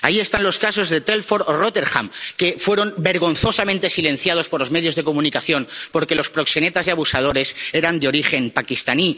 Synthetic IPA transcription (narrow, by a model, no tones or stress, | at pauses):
aie̞st̪anlo̞skaso̞zðe̞t̪e̞lfo̞ɾoro̞t̪e̞ɾxa̰mke̞fwe̞ɾo̞mbe̞ɾɣ̞o̞nθo̞samẽnt̪e̞sile̞nθjað̞o̞spo̞ɾlome̞ð̞jo̞zðe̞ko̞mũnikaθjo̞npo̞ɾke̞lo̞spɾo̞kse̞ne̞t̪azðeaβusað̞o̞ɾe̞se̞ɾand̪eo̞ɾixe̞mpakist̪ani